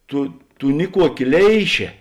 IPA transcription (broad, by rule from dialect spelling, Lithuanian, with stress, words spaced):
ˈtʊ ˈtʊ ˈnʲɪˌkuɔˌkʲɪ ˈlʲɛɪʃʲeː